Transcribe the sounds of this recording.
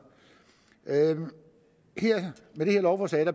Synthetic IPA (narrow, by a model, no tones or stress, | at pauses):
heɐ̰meɾ̥e̝he̝ɐlɒʊfɒsɛːɾ̥æ